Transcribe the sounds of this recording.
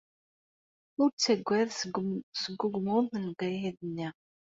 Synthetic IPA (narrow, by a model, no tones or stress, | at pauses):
ʊɾt͡sːæɡʷːæðsəɡːʊɡmʊɾmənɡæjiðənːi